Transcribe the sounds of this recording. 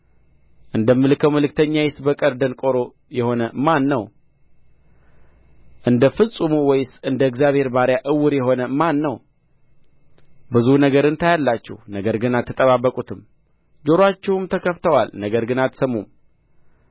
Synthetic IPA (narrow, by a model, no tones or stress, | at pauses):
ʔɨnd̪əmːɨlɨkʰəwməlɨk̚t̪ʰəɲːajɪsbəkʼəɾd̪ənkʼoɾo̞ | jɛho̞nəmanːəw | ʔɨnd̪əfɨsʼumuwɔjɪsɨnd̪əɨɡzjaβhe̞ɾbaɾjaʔɨwːɨɾjɛɦo̞nəmanːəw | bɨzunəɡəɾɨnt̪ʰajalːat͡ʃːɛ̰hnəɡəɾɡɨnat̪ʰːɨt̪ʼəβaβːəkʼut̪ʰɨm | d͡ʒoɾat͡ʃːɛhumt̪ʰəkʰəft̪ʰəwalnəɡəɾɡɨnat̪səmːum